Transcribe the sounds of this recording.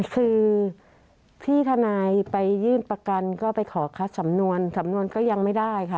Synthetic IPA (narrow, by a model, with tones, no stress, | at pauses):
kʰɯː˧ | t̪ʰiː˥˩t̪ʰa˧naː˧jpa˧jːɯː˥˩npɾa˧ka˧nkɔː˥˩pa˧jkʰɔː˩˦kʰa˦˥t̪̚sa˩˦mnu˧ənsa˩˦mnu˧ənkɔː˥˩ja˧ŋma˥˩jdaː˥˩jkʰa˥˩